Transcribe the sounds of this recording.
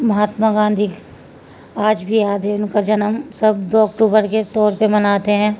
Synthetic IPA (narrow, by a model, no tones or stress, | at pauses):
mɐɦaːt̪maɡãːnd̪ʱiː | aːd͡ʒbʱijaːd̪eʊnkad͡ʒɐnəmsɐbd̪oːɐkʈuːbəɾket̪ɔːɾpemɐnaːt̪eɦɛ̃ː